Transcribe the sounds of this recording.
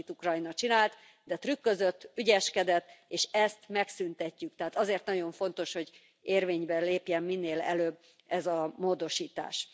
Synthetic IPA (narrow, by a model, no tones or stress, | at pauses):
it̪ukrɒinɒt͡ʃinaːlt̪ | d̪ɛt̪rykːø̞zø̞t̪ːyɟɛʃkɛd̪ɛt̪ːeːʃɛst̪mɛksynt̪ɛcːykt̪ɛɦaːt̪ɒzeːrt̪nɒɟo̞ɱfo̞n̪t̪o̞ʃho̞ɟ | eːrveːɲbɛleːpjɛmːinːeːlɛ̰løːb | ɛzɒmoːd̪o̞ʃiːt̪a̰ːʃ